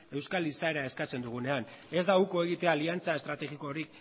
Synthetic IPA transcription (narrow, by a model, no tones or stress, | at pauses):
e̞wskalisae̞ɾae̞skat͡se̞nd̪uɣ̞une̞ane̞zd̪auko̞e̞ɣ̞it̪e̞aliant͡sae̞st̪ɾat̪e̞ɣiko̞ːɾik